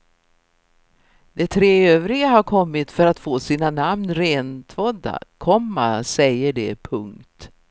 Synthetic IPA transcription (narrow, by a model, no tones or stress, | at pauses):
d̪ɛt̪ʰɾeːøːvɾɪɡaɦaɾkʰɔmːɪt̪fœɾat̪foːsiːnanamnɾeːnt̪ʰvɔd̪a̰kʰɔmːa̰sɛjːəɖɛpʰɵŋkt̪